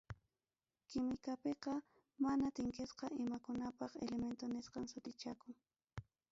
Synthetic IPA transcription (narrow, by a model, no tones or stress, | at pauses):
kɪmɪkapeqɑ | manat̪ɪŋkɪsqɑʔɪmakʊnapɑχelement̪onɪsqɑŋsʊt̪ɪt͡ʃakʊŋ